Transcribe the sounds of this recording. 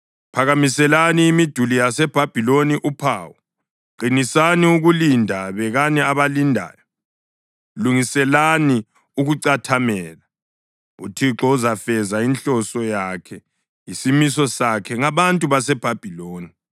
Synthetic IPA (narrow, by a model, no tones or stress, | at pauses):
pʰaɣamisɛlaniːmid̥ʱulijasɛb̥ʱab̥ʱiloniʔupʰaːwɔ | ǃinisaniuɣulindʱaβɛɣanɛaβalindʱa̰ːjɔ | luŋisɛlani | uɣuǀatʰamɛːla | ṵtʰiǁɔuzafɛzainɬɔsɔjakʰɛ | jisimisɔsakʰɛŋaβantʼuβasɛb̥ʱab̥ʱiloːni